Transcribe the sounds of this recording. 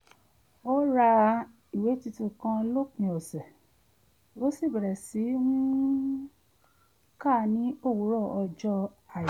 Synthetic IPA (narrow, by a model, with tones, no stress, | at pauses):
o˦ɾa˧ | i˨we˨˦ti˧tũ˧˨kã˧lo˦kĩ˧ɔ˨sɛ˨ | o˦si˦˨bɛ˨ɾɛ˨si˨˦wũ˦ | ka˦˨nĩ˦o˦˨wu˨˦ɾɔ˦˨ɔ˧d͡ʒɔ˧a˨